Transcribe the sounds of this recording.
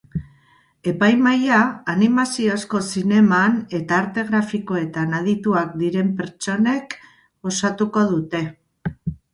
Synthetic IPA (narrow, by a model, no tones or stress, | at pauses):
e̞pajmajaːnimasio̞sko̞sine̞mane̞t̪aːɾt̪e̞ɣɾafiko̞e̞t̪anað̞it̪uak̚d̪iɾe̞mpe̞ɾt͡ʃo̞ne̞k | o̞sat̪uko̞ð̞ut̪e̞